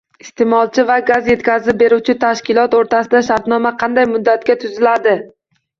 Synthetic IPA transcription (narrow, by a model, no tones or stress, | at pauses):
ɪst̪ʰe̞mɒlˠt͡ʃʰɪvaɡazje̞t̪kʲazɪp̚be̞ɾuwt͡ʃʰɪt̪ʰaʃkʲɪlˠɒt̪oɾt̪ʰasɪd̪aʃaɾt̪nɒmaqʰɑnd̪ajmʊd̪ːat̪kʲat̪ʰʊzɪlad̪ɪ